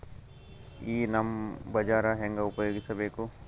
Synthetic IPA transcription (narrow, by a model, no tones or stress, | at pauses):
iːnɐmbɐd͡ʒaːɾaɦẽːŋɡaʊpɐjoːɡisɐbeko